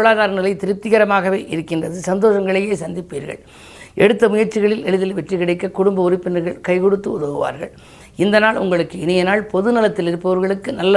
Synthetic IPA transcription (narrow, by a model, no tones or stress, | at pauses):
ɭaːðaːɾɐnɪlɐɪt̪ɪɾɯp̚t̪ɪɣɐɾɐmaːɣɐʋeːʔɪɾɯkːɪndrɐðɯsɐnd̪oːʂɐŋɡɐɭɐjeːsɐnd̪ɪpːiːɾɣɐ̰ɭ | ʔɛɽɯt̪ːɐmʊjɐɾt͡ʃːɪɣɐɭɪlɛɻɯðɪlʋɛʈrɯkɪɽɐɪkːɐkʊɽʊmbɐʊrɪpːɪnɐɾɣɐɭkɐɪkɔɽɯt̪ːɯʊðɐɣɯʋa̰ːɾɣɐ̰ɭ | ɪnd̪ɐnaːɭʊ̰ŋɡɐɭɯkːɯɪnɪjɐnaːɭpɔðɯnɪlɐt̪ːɪlɪɾɯpːɐʋɐɾɣɐɭɯkːɯnɐlːɐ